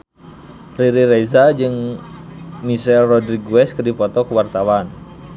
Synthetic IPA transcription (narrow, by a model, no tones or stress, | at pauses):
riɾiɾɛzad͡ʒɨŋ | miʃɛlrɔdɾiɡuwɛskɨrdipɔt̪ɔkuwart̪awan